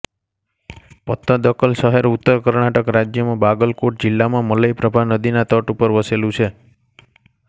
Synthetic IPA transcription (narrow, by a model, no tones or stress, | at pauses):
pət̪ːə̃d̪əkəlsəɦeɾut̪ːəɾkəɾɳaʈəkɾad͡ʒjəmãbaɡəlkoʈ̚d͡ʒɪlːamãmələjpɾəbʱanəd̪inat̪əʈupəɾʋəselũt͡ʃʰe